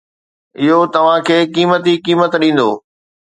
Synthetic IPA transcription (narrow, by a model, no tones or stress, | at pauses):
ɪɦot̪ɐʋ̤ãkʰeːkiːmət̪ikiːmət̪ɗĩːn̆d̪o̰ː